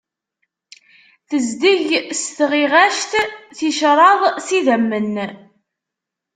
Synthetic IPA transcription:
θəzd̪iʝst̪ʁiʁæʃt̪θiʃɾˤɑðˤsiðəmːən

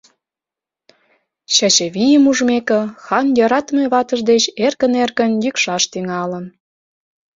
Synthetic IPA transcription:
ɕɑt͡ɕĕβijəmuʒmekə̆xɑnjɑɾɑt̪meβɑt̪əʒd̪et͡ɕerkə̆nerkə̆njykʃɑʃt̪yŋɑlən

